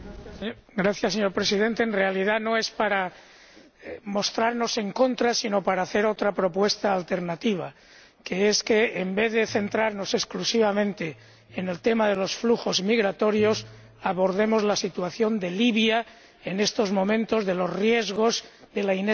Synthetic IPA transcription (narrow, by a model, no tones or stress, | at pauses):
ɡɾaθjaseɲo̞ɾpɾe̞sið̞e̞nt̪e̞ːnre̞alið̞ano̞e̞spaɾa | mo̞st̪ɾaɾno̞se̞ŋko̞nt̪ɾasino̞paɾaːθe̞ɾo̞t̪ɾapɾo̞pwe̞st̪aːlt̪e̞ɾnat̪iβ̞a | keeske̞ːmbe̞ððe̞θe̞nt̪ɾaɾno̞se̞sklusiβamẽ̞nt̪e̞ː | ne̞lt̪e̞maðe̞lo̞sfluxo̞zmiɣɾat̪o̞ɾjo̞s | aβo̞ɾðe̞mo̞zlasit̪uaθjo̞nd̪e̞liβja | e̞ne̞st̪o̞zmõ̞mẽ̞nt̪o̞zðe̞lo̞zrje̞zɣo̞z | ðe̞laine